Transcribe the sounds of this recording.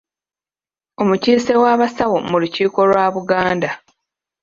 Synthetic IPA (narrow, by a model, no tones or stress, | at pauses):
o̞muciːse̞waːβasawomuluciːko̞lwaːβuɡaːnda